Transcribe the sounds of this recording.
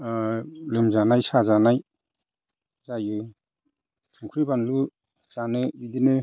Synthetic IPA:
lɯmzanajsazanaj | z̥ajɯ | tʰuŋkʰuɾibanlu | z̥anɯbidinɯ

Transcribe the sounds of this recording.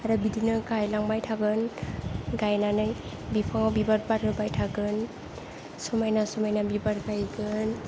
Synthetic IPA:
aɾɯbidinɯɡajlaŋbajtʰaɡɯn | ɡajnanɯj | bipʰaŋawbibaɾbaɾɯbajtʰaɡɯn | sɔmajnasɔmajnabibaɾɡajɡɯn

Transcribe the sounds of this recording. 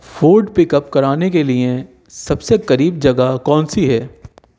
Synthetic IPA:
fuːɾɖpɪkəp̚kɐɾaːnekelie | sɐbsekɐɾiːb̚d͡ʒɐɡakɔ̃ːnsiɦɛː

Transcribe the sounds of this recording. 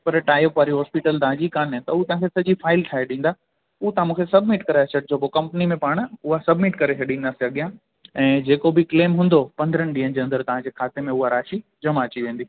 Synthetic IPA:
pɐɾʈaːjopʋaːɾiɦɔːspɪʈəld̪aɦãd͡ʑikaːnt̪ɐʊut̪ɐ̃ɦãkʰesɐd͡ʑifʰaːɪlʈʰaːɦeɗĩːn̆d̪aː | ut̪ɐãmũːkʰesɐbmɪʈkɐɾeɐt͡ɕəʈ̚d͡ʑoːpokɐ̃mpnimẽpaːɽ̃ʊɦasɐbmɪʈkɐɾekʰeɗĩːn̆d̪aːsiɐɠijã | ɛ̃ːd͡ʑeːkobɪkleːmɦũːnd̪opɐ̃nd̪əɾənɪɗĩːɦə̃nd͡ʑeːɐ̃nd̪əɾt̪ɐʋãd͡ʑeːkʰaːt̪emẽʊɦaɾaːʃid͡ʑɐmat͡ɕiʋẽːn̆d̪i

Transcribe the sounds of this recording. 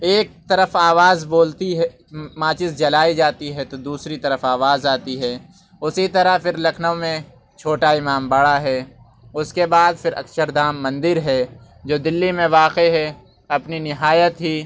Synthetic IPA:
eːk̚t̪ɐɾəfaːʋaːzboːlt̪iɦɛ | mãːt͡ʃɪsd͡ʒɐlaːid͡ʒaːt̪iɦɛt̪od̪uːsɾit̪ɐɾəfaːʋaːzaːt̪iɦɛː | ʊsit̪ɐɾəɦfɪɾlɐkʰnəmẽ | t͡ʃʰoːʈaɪmaːmbɐɽaɦɛː | ʊskebaːd̪fʰɪɾɐ̰ksəɾd̪aːmːɐ̃nd̪ɪɾɦɛː | d͡ʒoːd̪ɪlːimẽʋaːqeɦɛ | ɐpninɪɦaːjət̪ɦiː

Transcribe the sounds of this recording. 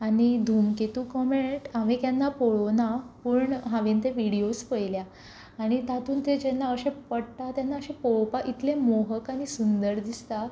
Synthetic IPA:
aɽ̃id̪ʱumket̪uːkɔmeɳʈamikjanːapoɭonapuɳɦãʋent̪eʋiɽiospəjljaː | ɽ̃it̪at̪ʰuːnt̪ed͡ʑenːaəɕẽpəɽt̪at̪janːaəɕẽpopaʔit̪lemoɦəkaɽ̃isund̪əɾd̪ist̪a

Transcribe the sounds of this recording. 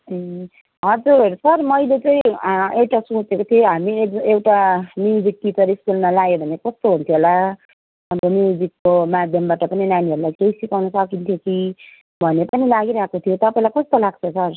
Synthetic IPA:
ɦʌd͡zuɾsʌrmʌjlet͡sʌĩewʈasũt͡sekot̪ʰijoɦamiek̚ewʈamid͡zikːit͡sʌɾiskulnalaɡebʱʌnekʌst̪oɦunt̪ʰjoola | ʌbʌniwd͡zikːomad̪ʱjʌmbaʈʌpʌninaniɦʌɾulajkeisikawnʌsʌkint̪ʰjoki | bʱʌnepʌnilaɡiɾaɦkot̪ʰijot̪ʌpaĩlajkʌst̪olaɡ̚t͡sʰʌsʌr

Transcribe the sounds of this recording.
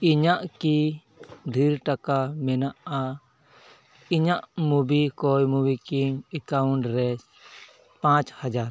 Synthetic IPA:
iɲaʔki | d̪ʱiɾʈakamɛnaʔa | iɲaʔmubikɔjmubikimɛkawuɳʈɾɛ | pãt͡ʃhad͡ʒaɾ

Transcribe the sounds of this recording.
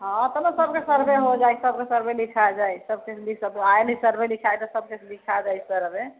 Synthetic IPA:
ɦɔ̃t̪əmesəb̚kesəɾbeɦod͡ʒajsəb̚kesəɾbelikʰad͡ʒajsəbkeslisəbajnəsəɾbelikʰajt̪ɔsəb̚keslikʰad͡ʒajsəɾbe

